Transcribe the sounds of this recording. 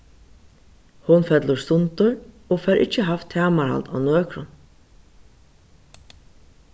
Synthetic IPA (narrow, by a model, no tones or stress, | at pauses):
hʊnfɛt̪lʊst̪ʊnt̪ʊɹ | ɔfɛɾʔɪ̰t͡ʃːəɦaft̪ʰːæːmaɹha̰lt̪a̰wnøːkɾʊn